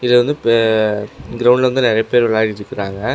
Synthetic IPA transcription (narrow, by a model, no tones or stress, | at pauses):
ɪlːɐʋɐnd̪ɯp | ɡɪɾɐʊɳɖlɐʋɐnd̪ɯnɪɾɐjɐpeːɾʋɪɭaːɪɪɾɯkːɪɾaːŋɡɐ